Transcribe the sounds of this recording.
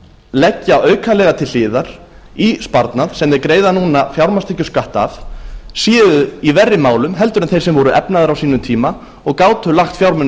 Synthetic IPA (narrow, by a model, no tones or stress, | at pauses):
lɛcːaœːɥkʰalɛɣat̪ʰɪl̥ːɪːðaɾ̥ | ispaɾt̪naðsɛmɛɾkɾeːjðanuːnafjawɾmast̪ɪhcːʏ̥skaht̪a̰fsjɛːðʏivɛrːɪmaːwlʏmɦɛlt̪ʏɾɛnθejɾsɛmvɔɾʏʔɛpnaðʏɾawsiːnʏmt̪ʰiːma | ɔɣkaːwt̪ʏlaxt̪fjawɾmʏn